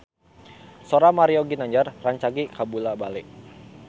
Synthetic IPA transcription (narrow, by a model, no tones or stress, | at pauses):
soɾamaɾioɡinaɲd͡ʒarraɲt͡ʃaɡikabulabalɪʔ